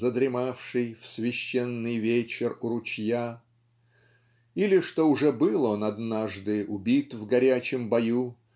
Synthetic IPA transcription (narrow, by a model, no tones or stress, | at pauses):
zəd̪ɾʲɪmafʂɨjfsvʲɪɕːenːɨjvʲet͡ɕɪrʊɾʊt͡ɕja | ilʲɪʂt̪o̞ʊʐɛbɨlˠonɐd̪naʐd̪ɨʔʊbʲit̪vɡɐɾʲæt͡ɕɪmbɐju